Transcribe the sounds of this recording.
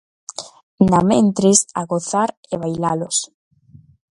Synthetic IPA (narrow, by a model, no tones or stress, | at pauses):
namẽnt̪ɾesa̰ɣoθaɾ | eβajlalos